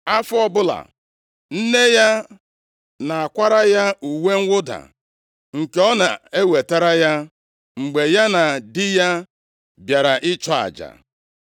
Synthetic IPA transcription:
a˦fʊ˦ɔ˦bʊ˦la̰˨ | n̩˦ne˦ja˦ | na˨a˨kʷa˦ɾa˦ja˦u˨we˦ŋ̩˦wʊ˦da̰˨ | ŋ̩˨ke˨ɔ˦na˨e˦we˨ta˦ɾa˦ja˦ | ŋ͡m̩˨ɡ͡be˨ja˦na˨dɪ˦ja˦ | bja˨ɾa˨ʔɪ˦t͡ʃɔ˦a̰˨d͡ʒa̰˨

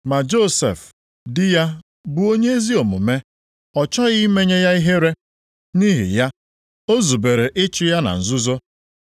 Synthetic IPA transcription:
ma˨d͡ʒo˦sḛ˨f | dɪ˦ja˦ | bʊ˨o˦ɲe˦e˦zi˦o˨mʊ̰˨me˦ | ɔ˨t͡ʃɔ˦ɣi˦me˦ɲe˦ja˦i˦ɦe˦ɾe˦ | ni˦ɦḭ˨ja˦ | o˦zu˨be˨ɾe˨ʔɪ˦t͡ʃɪ˦ja˦na̰˨n̩˨zʊ˦zo˦

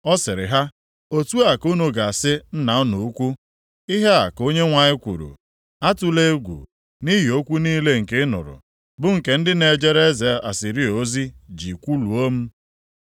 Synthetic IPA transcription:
ɔ˦sɪ˨ɾɪ̰˨ɦa˦ | o˦tu˦a˨ku˦no˨ɡa˨a˨sɪ˦n̩˦na˨ʊ˦nu˨u˦kʷu˦ | i˦ɦe˦a˨ko˦ɲe˦ŋʷa˨ɲɪ˦kʷṵ˨ɾṵ˨ | a˦tu˦le˦ɡʷṵ˨ | ni˦ɦi˨o˦kʷu˦niː˦le˦ŋ̩˨ke˦nʊ̰˨ɾʊ̰˨ | bʊ˦ŋ̩˨ke˨n̩˦dɪ˦ne˨d͡ʒe˦ɾe˦ze˨a̰˨si˨ɾi˦o˦zi˦d͡ʒi˨kʷu˦lu˨o˦m̩˦

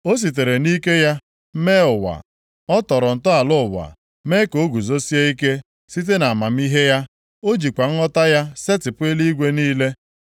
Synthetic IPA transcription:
o˦s̬i˨t̬e˨ɾe˨ni˦ke˦ja˦ | me˦ʊ˨wa̰˨ | ɔ˦tɔ˨ɾɔ˨n̩˨tʊ˦a˨lʊ˦ʊ˨wa̰˨ | me˦ko˨˦ɡu˨zo˦si˦e˦i˦ke˦ | si˦t̬e˦na˨ma˨m̩˦i˦ɦe˦ja˦ | o˦d͡ʒi˨kʷa˨ŋ̩˦ɔ˦ta˦ja˦se˦tɪ˨pʊ˦e˦li˦ɡʷe˦niː˦le˦

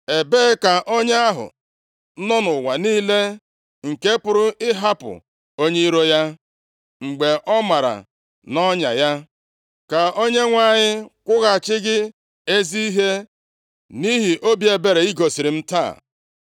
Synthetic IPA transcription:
e˨beː˦ka˨ʔo˦ɲe˦a˦ɦʊ̰˨˦ | nɔ˦nʊ˨wa˨niː˦le˦ | ŋ̩˨ke˦pʊ˦ɾʊ˦ɪ˦ɦa˦pʊ̰˨ | o˦ɲe˦i˦ɾo˦ja˦ | ŋ͡m̩˨ɡ͡be˨ʔɔ˦ma˨ɾa̰˨ | nɔ˦ɲa̰˨ja˦ | ka˨o˦ɲe˦ŋʷa˦˨ɲɪ˦kʷʊ˦ɣa˨t͡ʃɪ˦ɡɪ˦ | e˦zi˦i˦ɦe˦ | ni˦ɦi˨ʔo˦bje˨be˨ɾe˨i˦ɡo˨si˨ɾɪ˨m̩˦ta̰ː˦˨

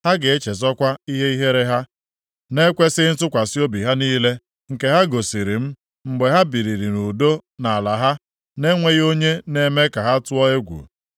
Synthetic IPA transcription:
ha˦ɡe˨e˦t͡ʃe˨zɔ˦kʷa˦i˦ɦe˦i˦ɦe˦ɾe˦ɦa˦ | ne˦kʷe˦sɪ˦n̩˦tʊ˦kʷa˨si˦o˦bi˨ɦa˦niː˦le˦ | ŋ̩˨ke˨ɦa˦ɡo˨si˨ɾi˨m̩˦ | ŋ͡m̩˨ɡ͡be˨ɦa˦bi˨ɾi˨ɾi˨nu˨do˦na˨a˨la˨ɦa˦ | ne˦ŋʷe˦ɣo˦ɲe˦ne˦me˦ka˨ɦa˦tʊ˦ɔ˦e˦ɡʷṵ˨

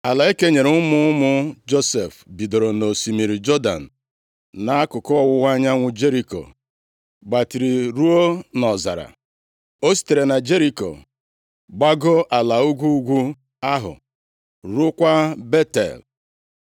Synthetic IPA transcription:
a˨la˨e˦ke˦ɲe˨ɾe˨˦ʊ˦mʊ˦mʊ˦d͡ʒo˦se˨fbi˨do˨ɾo˨no˨si˨mi˨ɾi˨d͡ʒɔ˦da̰˨n̩˨ | na˨a˦kʊ˨kɔ˦ɔ˦wʊ˦wa˦ɲa˦ŋʷʊ˦d͡ʒe˦ɾi˨ko̰˨ | ɡ͡ba˨ti˨ɾi˨ɾu˦o˦nɔ˨za̰˨ɾa̰˨ | o˦si̥˨te˨ɾe˨na˨d͡ʒe˦ɾi˨ko̰˨ | ɡ͡ba˦ɡo˦ʔa˨la˨u˦ɡʷu˦ɡʷu˦ | a˦ɦʊ̰˨ | ɾʊ˦kʷa˦be˦tḛ˨l

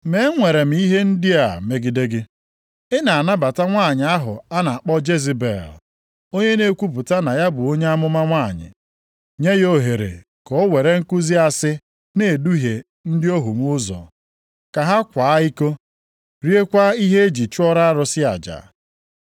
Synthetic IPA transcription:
me˨˦ŋʷe˨ɾe˨m̩˨˦i˦ɦe˦n̩˦dɪ˦a˨me˦ɡi˨de˦ɡɪ˦ | ɪ˦na˨a˨na˦ba˨ta˦ŋʷa˦˨ɲɪ˨a˦ɦʊ̰˨a˦na˨a˨k͡pɔ˦d͡ʒe˦zi˨bḛ˨l | o˦ɲe˦ne˦kʷu˦pʊ˨ta˦na˨ja˦bʊ˨o˦ɲe˦a˦mʊ˦ma˦ŋʷa˦˨ɲɪ̰˨ | ɲe˦jo˦ɦe˨ɾḛ˨ | kɔ˨˦we˨ɾe˦ŋ̩˦ku˦zi˦a˦sɪ˦ | ne˨du˦ɦe˨ | n̩˦dɪ˦o˦ɦu˨m˦ʊ˦zɔ̰˨ | ka˨ɦa˦kʷaː˨a˦i˦ko˦ | ɾi˦e˦kʷa˦i˦ɦe˦e˦d͡ʒi˨t͡ʃu˦ɔ˦ɾa˦a˦ɾʊ˦sɪ˦a̰˨d͡ʒa̰˨

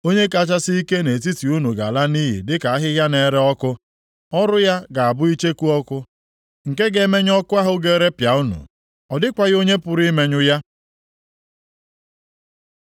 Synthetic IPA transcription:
o˦ɲe˦ka˦˨t͡ʃa˦si˦i˦ke˦ne˨ti˦ti˨u˦nu˨ɡa̰˨la˦ni˦ɦḭ˨dɪ˦ka˨a˦ɦɪ˦ɦja˦ne˨ɾe˦ɔ˦kʊ˦ | ɔ˦ɾʊ˦ja˦ɡa˨a˨bʊ˦i˦t͡ʃe˦ku˦ɔ˦kʊ˦ | ŋ̩˨ke˦ɡe˨˦me˦ɲ˦ɔ˦kʊ˦a˦ɦʊ˨ɡe˦ɾe˦pja˨u˦nṵ˨ | ɔ˨dɪ˦kʷa˨ɣo˦ɲe˦pʊ˨ɾi˦me˦ɲʊ˦ja˦

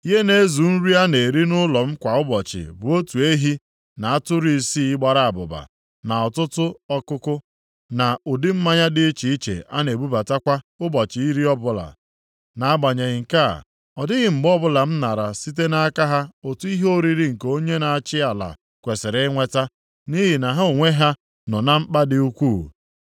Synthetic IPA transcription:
i˦ɦe˦ne˦zu˨n̩˦ɾi˦a˦ne˨ɾi˦nʊ˦lɔ˨m̩˦kʷa˨ʊ˦bɔ˨t͡ʃɪ̰˨bʊ˨o˦tu˨e˦ɦi˦ | na˨a˦tʊ˦ɾi˨si˦i˦ɡ͡ba˨ɾa˨a˨bʊ̰˨ba̰˨ | na˨ɔ˨tʊ˦tʊ˦ɔ˦kʊ˦kʊ˦ | na˨ʊ˨dɪ˦m̩˦ma˦ɲa˦dɪ˦i˦t͡ʃi˨i˦t͡ʃḛ˨a˦ne˨bu˦ba˨ta˦kʷa˦ʊ˦bɔ˨t͡ʃɪ˨i˦ɾi˦ɔ˦bʊ˦la̰˨ | na˨a˦ɡ͡ba˨ɲe˨ɣɪ˨ŋ̩˨ka̰˦˨ | ɔ˨dɪ˦ɣɪ˨m̩˨bɔ˦bʊ˦la˨m̩˦na˨ɾa˨si˦t̬e˦na˨a˦ka˦ɦa˦o˨tu˦i˦ɦo˦ɾi˦ɾi˦ŋ̩˨ko˦ɲe˦na˨a˨t͡ʃɪ˦a˨la̰˨ | kʷe˨sɪ˨ɾe˦ŋʷe˦ta˦ | ni˦ɦi˨na˨ɦa˦o˨ŋʷe˦ɦa˦ | nɔ˨na˦m̩˦k͡pa˦dɪ˦u˦kʷuː˦˨

